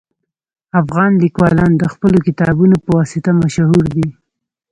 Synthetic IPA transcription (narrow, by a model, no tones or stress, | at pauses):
afɣɑnlikwɑlɑnd̪əxpəlokɪt̪ɑbunopəwɑsɪt̪amaʃaɦuɾd̪i